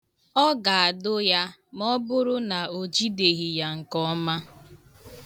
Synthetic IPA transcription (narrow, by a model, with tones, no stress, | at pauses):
ɔ˦ɡa˨a˨dʊ˦ja˦mɔ˦bʊ˦ɾʊ˦na˨o˨d͡ʒi˦de˨ɣi˨ja˦ŋ̩˨kɔ˦ma˦